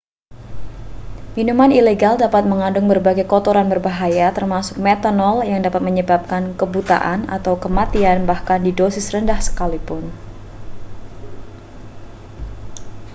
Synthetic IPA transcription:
minumanileɡaldapat̪̚məŋadʊŋbərbaɡajkɔt̪oɾanbərbaɦajat̪ərmasʊ̥k̚mɛt̪anɔljaŋdapat̪̚məɲəbap̚kankəbut̪a̰ʔana̰t̪awkəmat̪ianbahkandidosɪsrəndahsə̥kalipʊn

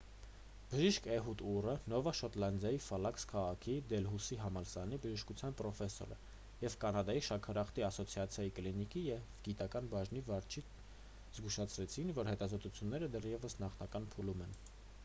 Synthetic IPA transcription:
b̥əʒiʃkʰɛɦut̪urənɔvɑʃɔt̪lɑnd̪jɑjifɑlɑkskʰɑʁɑkʰid̪ɛlɦusiɦɑmɑlsɑnibəʒiʃkut͡sʰjɑnpɾɔfɛsɔ̰ɾə̰ | jɛvkɑnɑd̪ɑjiʃɑkʰɑɾɑχt̪iɑsɔt͡sʰijɑt͡sʰjɑjikəlinikijɛvɡit̪ɑkɑnbɑʒnivɑɾt͡ʃʰi | z̥ɡuʃɑt͡sʰɾɛt͡sʰinvɔɾhɛt̪ɑzɔt̪ut͡sʰjunːɛɾəd̪ɛrjɛvəsnɑχnɑkɑnpʰulumɛn

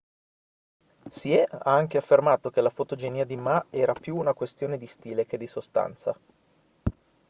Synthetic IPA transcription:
siɛa̰aŋk̟eafːermaːt̪ok̟elafot̪od͡ʒeniːad̪imaɛːɾapjuːnakwest̪joːned̪ist̪iːlek̟ed̪ːisost̪a̰nt̪sa̰

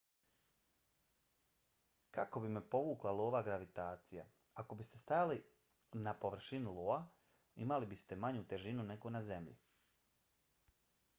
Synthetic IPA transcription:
kako̞bimepo̞ʋuːklˠalˠoːʋaɡɾaʋit̪aːt̪sija̰ako̞bist̪e̞st̪ajali | napo̞ʋr̩ʃiniloːa | imalibist̪e̞maɲut̪e̞ʒinunekonaze̞mʎḭ

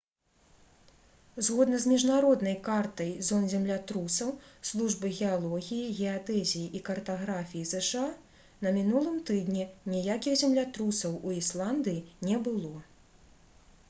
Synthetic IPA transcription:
zɣɔd̪nɐzmʲiʐnaɾɔd̪nɐjkart̪ɐjzɔnzʲɛmlʲat̪ɾusɐwslˠuʐbɨɣʲɛalˠɔɣʲijiɣʲɛat̪ɛzʲijiʔikɐrt̪aɣɾafʲijizɛʂɨa | nɐmʲinulˠɨmt̪ɨd̪nʲɛnʲijakʲiɣzʲɛmlʲat̪ɾusɐwuislˠand̪ɨjinʲɛbɨlˠɔ

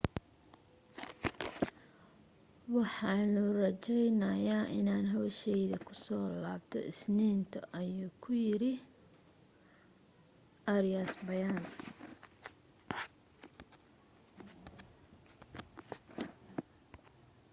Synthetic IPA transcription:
wɑħɑnʊrɐt͡ʃɛjnɐjaʔɪnaːnɦɔːʃɛjðɐkʰʊsɔːlaːbt̪ʰɔ̰ʔɪsniːnt̪ʰɐʔɐjuːkʰʊjɪɾɪ | ʔɐɾɪjasbɐjan

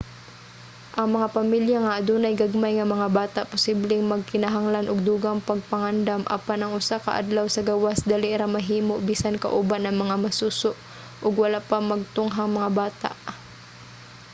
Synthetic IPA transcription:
ʔɐŋmɐŋapɐmiljaŋɐʔːd̪unɐjɡaɡ̚majŋɐmɐŋabaːt̪aʔpʊsiblɛŋmɐɡ̚kɪnɐɦaŋlanʔʊɡ̚d̪uːɡaŋpɐɡ̚pɐŋand̪amʔɐ̰panɐŋʔʊsakɐ̰ʔa̰d̪lawsɐɡawasd̪aːlɪʔɾamɐɦiːmoʔbiːsankɐ̰ʔʊbanɐŋmɐŋamɐsuːsoʔ | ʔʊɡwɐlapɐmɐɡ̚t̪ʊŋɦaŋmɐŋabaːt̪a̰ʔ

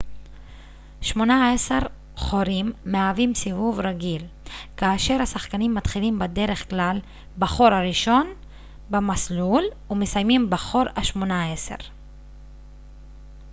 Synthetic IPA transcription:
ʃmo̞naese̞ʁ | χo̞ɾimːeavimsivuvɾaɡil | kaːʃe̞ʁhasaχkanimːat̪χilimbede̞ɾe̞χklal | baχo̞ɾhaɾiʃo̞n | bamaslul | ume̞sajmimbaχo̞ɾaʃmonaese̞̰ʁ

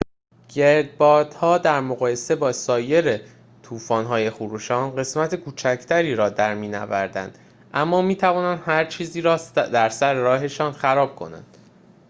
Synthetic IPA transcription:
ɟ̥e̞ɾd̪̚bɒːd̪̥hɒːd̪æɾmoɣɒːje̞se̞bɒːsɒːje̞ɾe | t̪ʰuːfɒːnɦɒːje̞xuɾuːʃɒːnɢe̞smæt̪ʰekʰuːt͡ʃʰæcʰt̪ʰæɾiːɾɒːd̪æɾmiːnæ̰væɾd̪æ̰nd̪̥ | ʔæmːɒːmiːt̪ʰævɒːnænd̪hæɾt͡ʃʰiːziːɾɒːd̪æɾsæɾeɾɒːɦe̞ʃɒːnxæɾɒːb̥̚kʰo̞̰næ̰nd̪̥

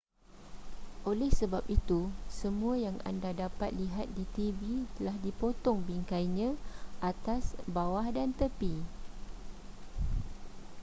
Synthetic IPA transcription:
ʔolɛhsəbap̚it̪usəmũajaŋa̰ndadapat̪̚liɦat̪̚dit̪ibit̪əlahdipot̪ɔŋbiŋkajɲãʔat̪asbawahdant̪əpi

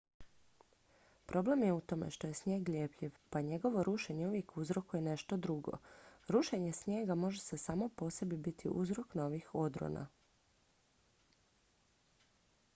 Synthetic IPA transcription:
pɾʔo̞ble̞mjeut̪o̞me̞̰ʃt̪o̞je̞sɲeːɡlʲje̞ːpʎiʋpaɲe̞ɡo̞ʋo̞ɾuʃe̞ɲeuʋje̞kuzɾo̞kuje̞neʃt̪o̞d̪ɾuɡo̰ɾuʃe̞ɲe̞sɲe̞ːɡamo̞ʒese̞samo̞po̞se̞bibit̪ʰḭʔuzɾo̞kno̞ʋixo̞d̪ɾo̰na̰

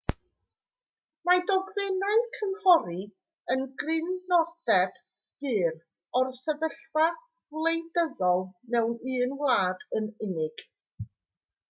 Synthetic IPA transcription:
madɔɡrɪnaɨkʰənhɔɾi | ənɡrɪnːɔd̥ɛd̥ | ɡ̥ɨːr | ɔrsɛvəɬva | vlˠejdəðɔlˠnɛwnɨːnwlaːdənɪnɪɡ̥

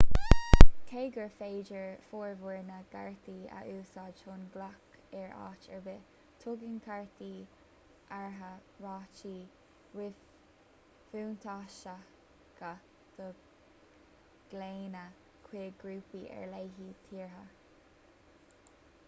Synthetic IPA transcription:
kʰeːɡəɹfeːd͡ʒəɹfoːɹvuɹnəɡ̥a̰ɹt̪iːə̰ʔuːsɑːdʃonɡlɔkɛɹɑ̰ːt͡ʃɛɹbɪ | t̪ʰʊɡɪnkʰaɹt̪iː | ʔaɹɦəɹɑːt͡ʃiː | wɪ | fuːnt̪ʰɑːʃə | ɡ̥ə | d̪̥ə | ɡ̥leːnə | kʰwiːɡɾuːpiʔɛ̰ɹleːɦiːt̪ʰiːɹɦə

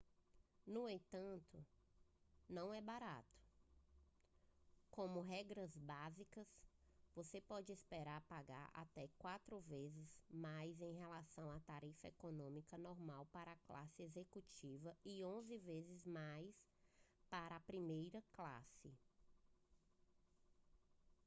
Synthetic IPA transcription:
nʊẽt̪ɐ̃nt̪ʊ | nɐ̃w̃ɛbaɾa̰t̪ʊ̥ | kõmʊɦɛɡɾɐzbazikɐs | vosepɔd͡ʒɪespeɾaɾpaɡa̰ɾa̰t̪ɛkwat̪ɾʊvezɪzmajzẽj̃ɦelasɐ̃w̃at̪aɾifɐekonõmikɐnɔɾmawpaɾɐakla̰sɪezekut͡ʃivɐɪõzɪvezɪzmajs | paɾɐːpɾimejɾɐkla̰sɪ

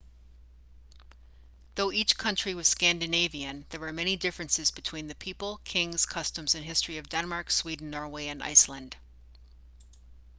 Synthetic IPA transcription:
ðoʊʔit͡ʃkʰʌ̃nt͡ʃɹ̥iwʌz̥skæ̃ndɨneɪviɨ̃nðə˞wə˞mɛɾ̃nidɪfɹɨ̃nsɨzbɨtʰw̥ĩnðɨpʰipl̩ˠkʰɪ̃ŋz̥kʰʌstə̃mzɨ̃nɦɪstɹ̥iʌvdɛ̃nmɑɹkswidⁿn̩ːɔɹweɪɨ̃na̰ɪslə̃nd̥

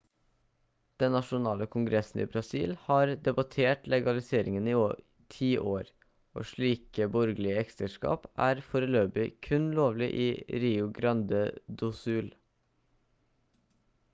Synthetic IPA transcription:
d̪̥ɛnːɑʃʊnɑːləkʰʊŋɡɾɛsn̩ḭːbɾɑsḭːlhɑːɾd̪ɛbɑt̪ʰeːʈlɛɡɑlɪseːɾʔɪŋəniːo | ʈʰiːʔoːɾ | ʔo̰ːʃɭiːkəbɔɾɡlɪəɛkst̪əʂkɑ̰ːpæːɾfoːɾəløːbɪkʰʉnloːʋlɪʔiːɾiːʊɡɾɑnd̪əd̪ʊsʉːl

